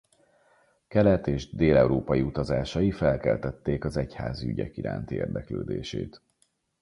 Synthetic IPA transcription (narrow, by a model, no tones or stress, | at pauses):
kɛlɛt̪eːʒd̪eːlɛuɾoːpɒjiut̪ɒzaːʃɒjifɛlkɛlt̪ɛt̪ːeːkɒzɛchaːziyɟɛ̰kiɾa̰ːnt̪iḛːrd̪ɛkløːd̪eːʃḛːt̪